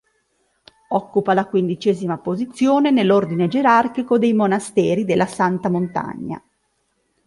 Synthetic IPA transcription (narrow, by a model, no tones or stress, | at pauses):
ɔkːupalakwind̪it͡ʃɛːzimapozit̪sːjoːnenelːord̪ined͡ʒeɾarkikod̪ejmonast̪ɛːɾid̪elːasant̪amont̪a̰ɲːa̰